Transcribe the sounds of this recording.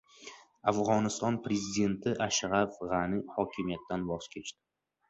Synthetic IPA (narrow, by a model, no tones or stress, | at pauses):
afʁɒnɪst̪ɒnpɾe̞zid̪e̞nt̪ʰɪʔaʃʁafʁanɪhɒkʲʰɪmijat̪ːanbɒz̥kʲʰe̞t͡ʃt̪ɪ̥